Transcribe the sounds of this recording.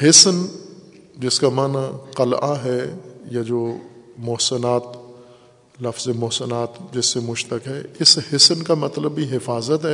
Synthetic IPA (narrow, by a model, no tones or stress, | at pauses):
ɦɪsn | d͡ʒɪskamaːnaqɐlʔaɦɛjad͡ʒoːmʊɦsənaːt̪ | lɐfzemʊɦsənaːt̪d͡ʒɪsːemʊd͡ʒʱt̪ɐkɦɛɪshɪsnkamɐt̪ləbːiɦɪfaːzət̪ɦɛː